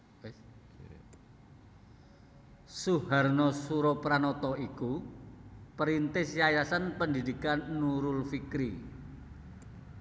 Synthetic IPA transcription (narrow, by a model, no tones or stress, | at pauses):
suharnɔsuɾɔpɾanɔt̪ɔiku | pəɾint̪ɪsjajasanpəndidikanːuɾʊlfikɾḭ